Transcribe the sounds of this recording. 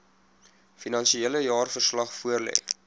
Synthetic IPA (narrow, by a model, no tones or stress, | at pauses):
finɐnsieələjɑːrfərslɐχfuərlɛ̰ː